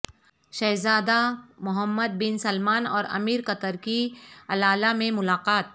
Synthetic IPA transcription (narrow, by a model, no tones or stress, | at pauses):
ʃɛːzaːd̪amʊɦəmːəd̪̚bɪnsɐlmaːnɔ̰ːɾɐ̰miːɾkɐt̪əɾkiɐlaːlamẽmʊlaːqaːt̪̚